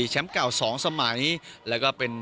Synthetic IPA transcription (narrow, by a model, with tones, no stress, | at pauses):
t͡ɕʰɛ˦˥mka˨˩wsɔː˩˦ŋsa˧ma˩˦jlɛː˦˥wkɔː˥˩pe˧n